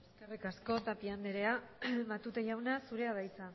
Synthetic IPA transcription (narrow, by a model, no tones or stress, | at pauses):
eskerekasko̞t̪apiand̪eɾe̞aβat̪ut̪eʝawnasuɾe̞aβ̞ajt͡sa